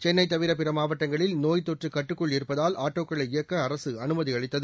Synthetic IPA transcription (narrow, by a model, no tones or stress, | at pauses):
t͡ʃɛnːɐɪt̪ːɐʋɪɾɐp̬ɪɾɐmaːʋɐʈːɐŋɡɐɭɪlnoːjt̪ɔʈrɯkɐʈːɯkːɔɭɪɾɯpːɐðaːlʔaːʈːoːkːɐɭɐɪɪjɐkːɐːɾɐsɯɐnɯmɐðiɐɭɪt̪ːɐðɯ